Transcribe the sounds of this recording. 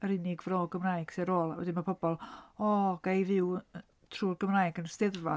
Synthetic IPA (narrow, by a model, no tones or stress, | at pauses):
əɾɪnɪɡvroɡəmraːjɡ̥seɾoːlˠawɛ̰dɪnmapʰɔbɔlˠɔːɡ̥ajvɪw | tʰruːrɡ̥əmrajɡənstɪðva